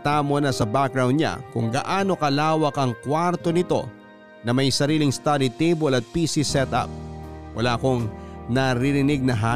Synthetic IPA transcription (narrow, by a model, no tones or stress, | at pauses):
t̪amonɐsɐbak̚ɾawnd̪ɲa̰kʊŋɡɐ̰ʔaːno̞kɐlaːwɐkɐŋkwaɾt̪o̞nɪt̪o̞̰ | nɐmɐjsɐɾiːlɪŋst̪ad̪it̪ebolɐt̪̚pisisɛt̪ʔa̰p̚wʔɐ̰laːʔɐko̞ŋnɐɾiɾɪnɪɡ̚nɐɦa